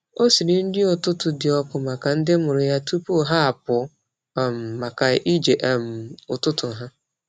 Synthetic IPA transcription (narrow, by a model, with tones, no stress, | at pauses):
o˦si˨ɾɪ˨n̩˦dɪ˦ʊ˨tʊ˦tʊ˨dɪ˨ɔ˦kʊ˨ma˨ka˨n̩˦dɪ˦mʊ˨ɾʊ˨ja˦tu˦pu˦ɦa˦a˨pʊ˨˦˨ | m̩ː˨a˨ka˨i˦d͡ʒe˨ʔm̩˨ʊ˨tʊ˦tʊ˨ɦa˦